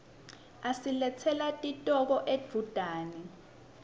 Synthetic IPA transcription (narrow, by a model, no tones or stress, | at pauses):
asilɛtʰɛlatʼitʼɔk̬ɔʔed͡v̥ʱud̥ʱaːni